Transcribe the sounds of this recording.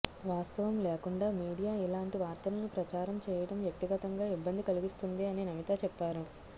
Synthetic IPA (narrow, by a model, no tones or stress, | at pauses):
ʋaːst̪ɐʋɐmlɛːkuɳɖaːmiːɽijaːilaːɳʈiʋaːɾt̪ɐlɐnupɾɐt͡ʃaːɾɐmt͡ʃɛːjɐɽɐmʋjɐk̚t̪iɡɐt̪ɐŋɡaːibːɐnd̪ikɐliɡist̪und̪iɐninɐmit̪ɐt͡ʃɛpːaːɾu